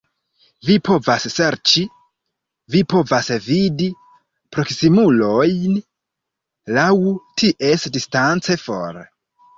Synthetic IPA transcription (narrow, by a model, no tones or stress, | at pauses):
vipʰo̞vasːe̞ɾt͡ʃi | vipo̞vasvidi | pɾo̞ksimulo̞jn | lawtʰiʔe̞sdistant͡se̞fo̞̰ɾ